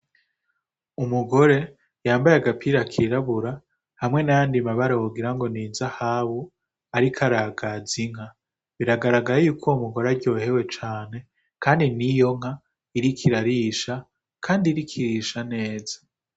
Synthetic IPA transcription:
umuɡo̞ɾe̞ | jaːmbajaɡapiɾakʰiɾaβuɾa | hamŋe̞najaːndimaβaɾawoɡiɾaŋɡo̞niːnzahaːβo | aɾikʰaɾaɡaziŋ̥ha | βiɾaɡaɾaɡaɾijuːkʰo̞umuɡo̞ɾaɾɟo̞ːhe̞we̞t͡ʃaːne̞ | kʰaːndinijo̞ŋ̥ha | iɾikʰiɾaɾiːʃa | kʰaːndiɾikʰiɾiːʃane̞ːza

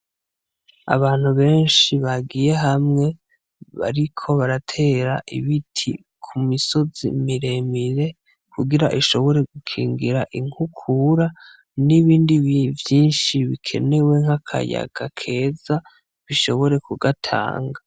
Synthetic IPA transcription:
a̰βaːn̥huβe̞ːnʃiβaɡije̞ɦamŋe̞ | βa̰ɾikʰo̞βaɾatʰe̞ːɾaʔḭβitʰḭ | kʰumiso̞zḭmiɾe̞miɾe̞ | kʰuɡiɾaʔiʃo̞βo̞ɾe̞ɡ̥ukʰḭːŋɡiɾaʔiŋhukʰuɾa | niβiːndiβivjiːnʃiβikʰe̞̰ne̞we̞ŋ̥akʰa̰ja̰ɡ̥akʰe̞ːza | βiʃo̞βo̞ɾe̞kuɡatʰa̰ːŋɡa

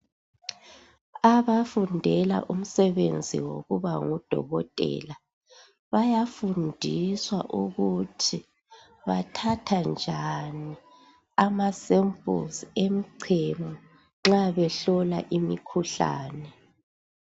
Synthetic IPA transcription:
aβafundʱɛla̰ʔum̩sɛβend͡zʱḭwo̰ɣuβaŋud̥ʱɔ̰ɣɔtʼɛ̰ːla | βajafundʱiswa̰ʔuɣutʰi | βa̰tʰatʰand͡ʒʱani | amasempʼṵsemiǀʰemɔ | ŋ͡ǁaβɛɬɔla̰ʔimikʰuɬa̰ːnɛ

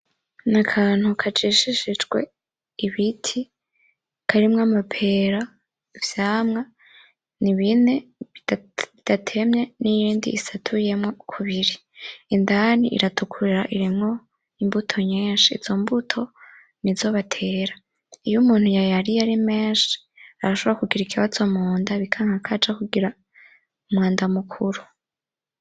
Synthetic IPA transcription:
nakʰaːn̥hukʰad͡ʒiʃiʃid͡ʒɡwe̞̰ | iβitʰi | kʰaɾimŋamapʰe̞ːɾa | vjaːmŋa | niβine̞ | βid̥atʰe̞mɲe̞nijiːndiːsatʰuje̞mŋo̞kʰuβiɾi | indanḭʔḭɾatukʰuɾiɾaʔiɾimŋo̞ | imbutʰo̞ɲeːnʃiːz̥o̞mbutʰo̞ | nizo̞βatʰe̞ːɾa | ijumuːn̥hujajaɾijaɾimeːnʃi̥ | aɾaʃoβoɾakuɡiɾikʰiwazo̞moːndaβikʰaŋhakʰad͡ʒakuɡiɾa | umwŋaːndamukʰuɾu

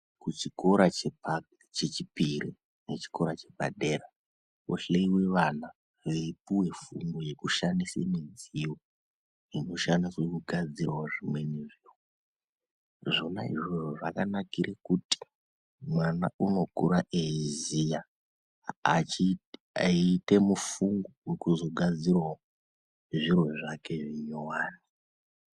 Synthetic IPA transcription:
kut͡ʃiko̞ɾat͡ʃe | t͡ʃet͡ʃipiɾi | net͡ʃi̥ko̞ɾat͡ʃe̞bʱa̰ɗe̞ɾa | uɬeiwe̞ʋana | ʋeipuwe̞fumɡoje̞kuʃandisḛmid͡ziwo | ino̞ʃandiswekuɡʱad͡zirwaʐimwe̞neʐiːwoo | ʐona̰ḭʐo̞ʐoʐakanakiɾʔekuti̥ | mwanauno̞kṵɾaʔezija | ite̞mufuŋɡowekuzo̞ɡʱad͡zirwao | ʐiro̞ʐake̞ʐiɲowaːni

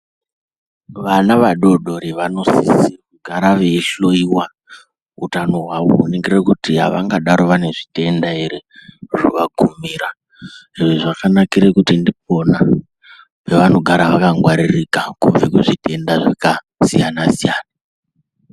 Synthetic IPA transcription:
ʋanaʋaɗo̞ɗo̞ɾeʋano̞sḭssiruɡʱaɾaʋe̞ɬo̞iwa | ṵtano̞ɦwaʋo̰uneŋɡerekutiɦa̰ʋaŋɡaɗaɾo̞ʋane̞ʐite̞ndaeɾeʐṵʋakumiːɾa | ʐieʐakanakiɾekutindip̚o̞na | pe̞ʋano̞ɡʱaɾaʋakaŋɡwaɾirikakuvekuʐitʰe̞ndaʐaka | sḭjanasijaːna

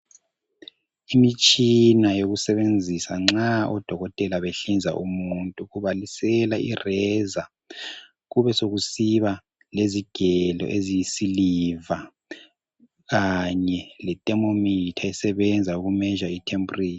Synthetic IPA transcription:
imit͡ʃʼinajoɣusɛβend͡zʱisaŋ͡ǁaɔd̥ʱɔɣɔtʼɛlaβeɬind͡zʱa̰ʔumuntʼuɣuβalisɛlairɛza | ɣuβɛsoɣusiβa | leziɡ̥ʱɛlɔ̰ʔezijisiliva | ɣaɲɛlɛtʼɛmomitʰaɛsɛβɛnd͡zʱauɣumɛʒaitʰempʼuriːni

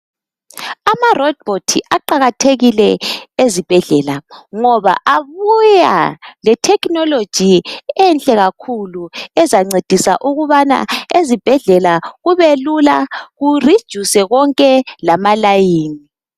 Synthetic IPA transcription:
amarɔd̚botʰḭʔaǃaɣatʰeɣilɛezib̥ʱɛɮɛlaŋɔβa̰ʔaβuja̰lɛtʰɛkʼnɔlod̥ʒ̥ʱiɛnt͡ɬʼɛɣakʰuluɛzaŋ͡ǀed̥ʱisa̰ʔuɣuβana̰ezib̥ʱɛɮɛlaɣuβelulaɣurid̥ʒ̥ʱusɛɣɔŋkʼɛlamalajiːni

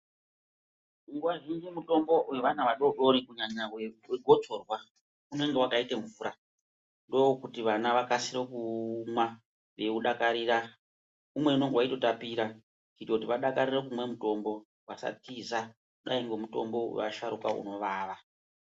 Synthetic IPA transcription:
uŋɡwaʒind͡ʒimuto̞mbo̞we̞ʋanaʋaɗo̞ɗo̞ɾikuɲaɲaweweɡʱo̞t͡so̞rwa | une̞ŋɡe̞wakaiteɱvuːɾa | ndo̞wokutiʋanaʋakasirokuma | ʋe̞uɗakaɾiːɾa | umwe̞uno̞ŋɡewaito̞tapiːɾa | kitautiʋaɗakaɾirek̬umwe̞muto̞mbo̞ | wasa̰tiza | kuɗaiŋɡo̞muto̞̰mbo̞wḛʋa̰ʃaɾuka̰ṵno̞ʋaːʋa

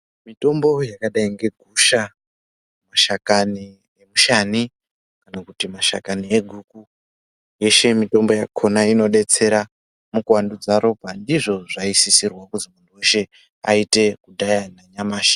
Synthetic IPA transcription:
mito̞mbo̞jakaɗaiŋɡe̞ɡʱuʃa | maʃakani | emuʃani | kanakutimaʃa̰kanieɡʱuku | je̞ʃe̞mito̞mbo̞jakʰo̞naino̞ɗe̞t͡se̞ɾa | mukwandud͡zaɾo̞bʱandiʐo̞ʐaisisirwakuzimunduweʃe̞ | a̰ite̞kudʱajanaɲamaːʃḁ

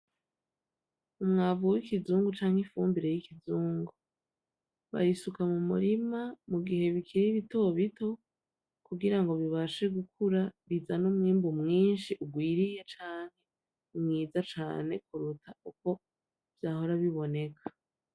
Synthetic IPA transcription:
umŋaːvuwikizuːŋɡut͡ʃaːŋhifuːmbiɾe̞jikizuːŋɡu | βa̰jisukamumṵɾimamuɡihe̞βikʰiɾiβito̞βitʰo̞ | kuɡiɾaŋɡo̞βiβaʃe̞ɡukʰuɾaβizanumŋiːmbumŋiːnʃiʔuɡwiːɾije̞t͡ʃaːŋhe̞ | umŋiːzat͡ʃa̰ːne̞kuɾutʰauko̞ | v̥jaːho̞ɾaβiβo̞ne̞kʰḁ

